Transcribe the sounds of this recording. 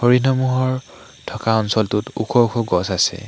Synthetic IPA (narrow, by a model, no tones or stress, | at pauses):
hoɹinɔmuɦɔɹ | tʰɔkaɔnsɔltutṵkʰɔukʰɔɡɔsasɛ̰